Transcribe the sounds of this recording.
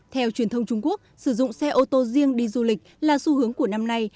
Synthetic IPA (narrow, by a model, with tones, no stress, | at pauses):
t̪ʰɛ˧wt͡ɕwi˨˩ənt̪ʰə˧wŋ͡mt͡ɕʊ˧ŋ͡mku˦˥ək̚sɨ˧˩zʊ̰˧˨ŋ͡msɛ˧ʔo˧t̪o˧zi˧əŋɗi˧zu˧lï˨˩k̟̚laː˨˩su˧hɨ˨˦əŋku˧˩əna˧mna˧j